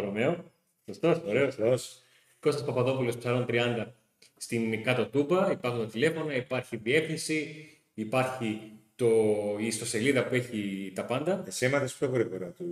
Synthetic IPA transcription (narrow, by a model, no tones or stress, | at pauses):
oɾome̞o | sost̪osoɾe̞ost̪os | ko̞sɐspɐpɐðo̞pulo̞spsɐɾo̞nt̪ɾiɐnd̪ɐ | st̪inkɐt̪o̞t̪ubɐipɐɾxunt̪ɐt̪ile̞fo̞nɐipɐɾçiðie̞finsiː | pɐɾçit̪o̞ist̪o̞se̞liðɐpue̞çit̪ɐpɐnd̪ɐesemɐθespçoɣɾiɣoɾɐt̪u